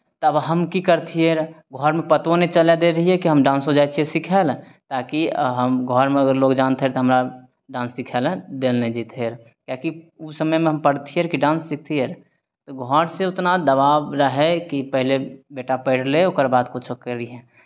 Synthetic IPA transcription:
t̪əbɦəmkikəɾt̪ʰiɦeɾ | ɡʱɔːɾmẽpət̪õnet͡ʃəled̪eɾəɦiɦɛkiɦəmɖãːnsɦod͡ʒaːjt͡ʃiesɪkʰɛl | t̪aːkiɦəmɡʱɔːɾmẽəɡəɾloːɡd͡ʒaːnt̪eɦɛɾt̪oɦɐmɾa | ɖãːnsːɪkʰɛld̪eːlnẽd͡ʒit̪ʰeɾ | kjaːkiʊsəməjmẽɦɐmpəɽt̪ʰiɦɛɾkiɖãːnsɪk̚ʰt̪ʰiɦɛːɾ | t̪oɡʱɔːɾseʊt̪nad̪əβaːʋɾəɦɛkipəɦlebeːʈapəɪɽleʊkəɾbaːd̪kʊt͡ʃʰokəɾiɦɛ̃ː

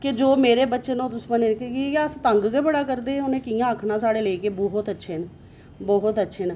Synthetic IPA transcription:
kɪd͡ʒoːmeːɾeːbətːʃeːnõt̪ʊspaːneːnkkiaːst̪əŋɡɡebəɽaːkəɾd̪eːʊnẽːkijãːəkʰnaːsaːɽeːləiːkeːbɔːɦʊt̪ətːʃʰeːn | bɔːɦʊt̪ətːʃʰeːnː

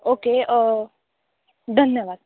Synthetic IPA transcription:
oːkeɔ | d̪ʱənjəʋaːd̪̚

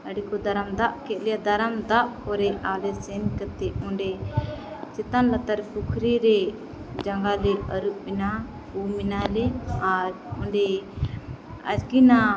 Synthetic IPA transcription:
əɽikɔd̪aɾamd̪aʔkɛʔ̪̚ˀlɛjad̪aɾamd̪aʔkɔɾɛalɛsɛnkət̪ɛɔ̃ɳɖɛ | t͡ʃɛt̪anlat̪aɾpukʰɾiɾɛ | d͡ʒaŋɡalɛəɾuʔ̚bina | uminalɛaɾ | ɔ̃ɳɖɛ | ə̰d͡ʒɡina

